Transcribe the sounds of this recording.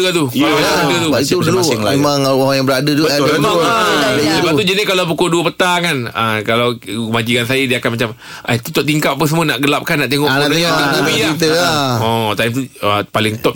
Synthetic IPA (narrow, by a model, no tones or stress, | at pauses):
kat̪ukalaəadət̪uiuluaɪŋmemãŋwajabəɾadəd͡ʒubəmãŋaləbat̪ud͡ʒənɪkalawpukoduəpət̪akanəkalawkəmad͡ʒikans̬ajadiakanmat͡ʃam | ʔat̪u̥t̪ʊʔ̚t̪iŋkap̚apəs̬əmona̰ʔɡəlap̚kanːaʔt̪eŋɔʔaanabiit̪əaɔt̪ajmt̪uəpalɪŋt̪ɔp̚